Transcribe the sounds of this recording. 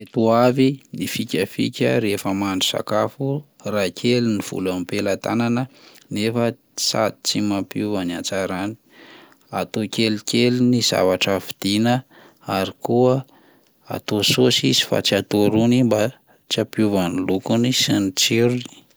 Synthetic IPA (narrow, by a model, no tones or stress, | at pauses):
et̪uavinifikʲəfḭkʲə̰ɾefəmaɳɖ͡ʐu̥sa̰kafu | rakʲʰeliniv̥ṵlamipelat̪a̰nanə | nefə | sa̰d̪it͡simapjuvaniat͡saɾani̥ | at̪okʲelikʲʰeliniz̥a̰vaʈ͡ʂəfi̥d̪̥inə | aɾikuə | a̰t̪ososizi̥fa̰t͡siat̪oɾunimba | t͡ʃiapjuvanilukunisinit͡siɾuni̥